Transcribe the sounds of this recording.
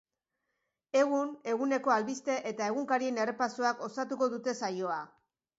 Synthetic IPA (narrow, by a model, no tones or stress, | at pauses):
e̞ɣ̞une̞ɣune̞ko̞alβist̪e̞ʔet̪ae̞ɣuŋkaɾie̞ne̞re̞pasoako̞sat̪uko̞ðut̪e̞sajo̞a